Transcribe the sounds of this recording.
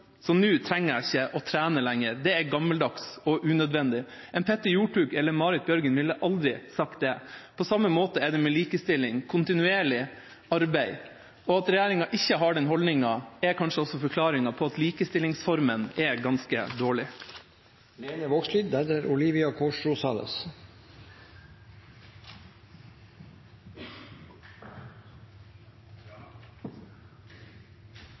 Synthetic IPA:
sɔnʉːt̪ʰɾɛŋːəæɪçːəʔɔt̪ʰɾæːnəlæŋːəɾd̪ɛæɡɑmːəld̪ɑksɔʔʉnœd̪ʋɛnd̪ɪ | ɛnpʰɛt̪ːəjuːʈʉːkɛlːəɾmɑːɾɪt̪̚bjœɾɡənʋɪlːəʔɑld̪ɾɪsɑkt̪̚d̪ɛpʰɔsɑmːəmoːt̪əɛɖɛmɛliːkəst̪ɪlːɪŋkʰʊnt̪ɪnʉeːɭɪ | ɑɾbæɪ | ɔɑt̪ɾɛjæːɾɪŋɑʔɪçːəɦɑɖɛnɦɔlnɪŋɑɛkʰɑnʂəɔsɔfɔɾkʰlɑːɾɪŋɑpʰɔːɑt̪liːkəst̪ɪlɪŋsfɔɾmənɛɡɑnskə̰d̪oːɭɪ | leːnəʋoːksliːd̪d̪æd̪əɾʊliːʋɪɑkʰoːʂɾʊsɑːlə̰s

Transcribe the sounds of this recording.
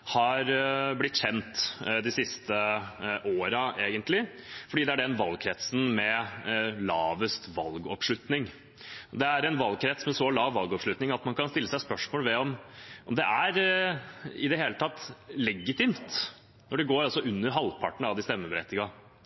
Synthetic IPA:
hɑɾblɪt̪ːçɛnt̪d̪ɪsɪst̪əʔoːɾɑʔeːɡənt̪lɪfɔɖiːd̪ɛæɖɛnʋɑlɡ̚kʰɾɛt̪sn̩mɛ | lɑːʋəst̪ʋɑ̰lɡɔpʂlʉt̪nɪŋ | d̪ɛæɾɛnʋɑlɡ̚kʰɾɛt̪smɛsɔlɑːʋːɑlɡɔpʂɭʉt̪nɪŋɑt̪mɑnkʰɑnst̪ɪlːəsæɪspœʂmoːlʋɛɔmʔɔmd̪ɛʔæɾ | ɪd̪ɛɦeːlət̪ʰɑt̪ːlɛɡːɪt̪ɪmt̪ | nɔɖɛɡoːɾɑsɔʉnːəɾɦɑlːpʰɑʈəɳ̩ɑʋd̪ɪst̪ɛmːəbəɾɛ̰t̪ːɪɡɑ

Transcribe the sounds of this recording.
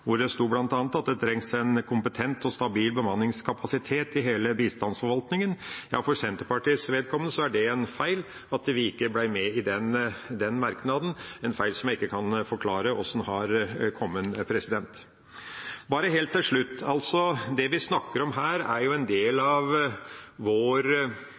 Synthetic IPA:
ʋʊɖɛst̪uːblɑnt̪ɑːnət̪ɑt̪̚d̪ɛt̪ʰɾɛŋsɛnkʰʊmpət̪ʰɛnt̪ɔst̪ɑbiːlbəmɑnːɪŋskʰɑpɑsɪt̪ʰeːt̪ɪɦeːləbiːst̪ɑnsfɔɾʋɑlt̪nɪŋənjɑ̰ːfɔɾsɛnt̪əɾpɑʈiːsʋeːd̪̚kʰɔmːənəsɔæɖɛɛnfæɪl | ɑt̪ʋɪɪkːəblæɪmɛɪd̪ɛnd̪ɛnmɑɾknɑd̪n̩ɛnfæɪlsɔmjæɪɪkːəkʰɑnfɔɾkʰlɑːɾəɔsn̩hɑɾkʰɔmːənpʰɾɛsɪd̪ɛnt̪ | bɑːɾəɦeːlt̪ːɪlʂɭʉt̪ːɑlt̪sɔd̪ɛʋɪsnɑkːəɾɔmɦæːɾæɾjʊɛnd̪eːlɑʋ | ʋoːɾ

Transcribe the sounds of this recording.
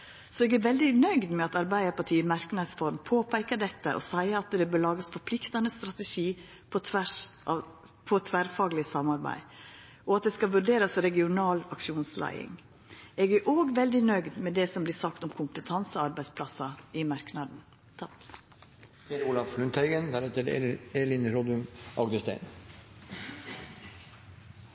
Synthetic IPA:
sɔɛːɡæɾʋɛld̪ɪnœʏɡd̪mɛɑt̪ɑɾbæɪəpɑʈʰiːmɑɾknɑd̪sfɔɾmpʰoːpʰæɪkəd̪ɛt̪ːə̰ʔɔ̰sæɪəɑt̪d̪ɛbøːlɑːɡəsfɔɾpʰlɪkt̪ɑnəst̪ɾɑt̪əʃiː | pʰɔt̪ʰ | pʰɔt̪ʰʋæɾfɑːɡlɪsɑmɑɾbæ̰ɪ | ʔɔɑt̪̚d̪ɛskɑʋʉɾɖeːɾɑsɾɛɡɪʊnɑːlɑkʃuːnslʔæ̰ɪɪ̰ŋ | eːɡæɾʔoːɡʋɛld̪ɪnœɡd̪mɛd̪ɛsɔmblɪːsɑkt̪ɔmkʰʊmpət̪ʰɑnsəɑɾbæɪspʰlɑsɑɪmɑɾknɑd̪n̩ | eɾulɑflʉnt̪hæɪɡənd̪æɾɛt̪əɾḛeːlɪnɾɔd̪ʉnʔɑɡd̪əst̪æ̰ɪn

